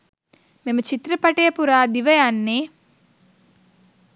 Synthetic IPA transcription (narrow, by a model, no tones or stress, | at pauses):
memɐt͡ʃit̪ɾɐpɐʈeːpuɾaːd̪iʋɐjanːeː